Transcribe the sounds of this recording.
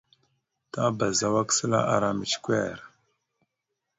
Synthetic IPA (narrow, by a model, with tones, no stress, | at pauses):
ta˦ba˨za˨wa˦ksə˦la̰˦ʔa˨ɾa˨mə˨t͡ʃkʷɛ˦˨ɾ